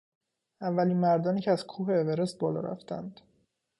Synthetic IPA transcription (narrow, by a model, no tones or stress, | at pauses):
ævːæliːnmæɾd̪ɒːniːcʰeæzkʰuːɦeːveɾes̚bɒːlɒ̰ːɾæ̰ft̪ʰæ̰nd̪̥